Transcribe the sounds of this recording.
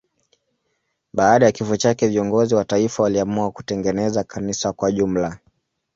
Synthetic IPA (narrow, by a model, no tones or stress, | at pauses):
ɓaːɗajakifɔt͡ʃakɛviɔŋɡɔziwataifawaliamuaku̥tɛŋɡɛnɛzakʰanisakwaʄum̩la